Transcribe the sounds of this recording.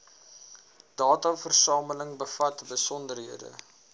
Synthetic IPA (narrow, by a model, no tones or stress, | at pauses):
d̥ɑːtɐfərsɑːmələŋbəfɐtbəsɔndərɦiədə̰